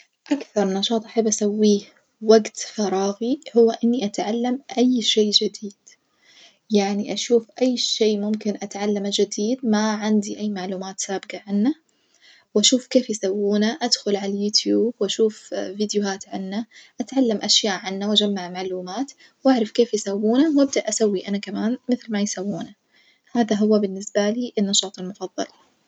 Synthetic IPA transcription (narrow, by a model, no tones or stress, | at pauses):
ʔakθɑɾˤnɑʃɑːt̪ˤʔaħabːʔasawːiː | waɡt̪fɑɾˤɑːɣihʊwːaʔɪnːiʔat̪ʕalːamʔajːʃeːʔd͡ʒɪd̪iːd̪̥ | jaʕniʔaʃuːfʔajːʃeːmʊmkɪnʔat̪ʕalːamad͡ʒɪd̪iːd̪̚maʕɪnd̪iʔajːmaʕluːmaːt̪saːbɪɡaʕanːa | wʔaʃuːfkeːfjɪsawːuːnaʔad̪xʊlʕalajuːt̪ʰjuːbwʔaʃuːfvɪd̪jʊhaːt̪ʕanːaʔat̪ʕalːamʔaʃjaːʔʕanːawʔad͡ʒamːaʕmaʕluːmaːt̪ | wʔaʕɾˤɑfkeːfjɪsawːuːnawʔab̚d̪aʔasawːiʔanakamaːnmɪθlmajsawːuːna | haːðaɦʊwabɪnːɪsbaliːʔɪnːɑʃɑːt̪ˤɑlmʊfɑðˤːɑ̰l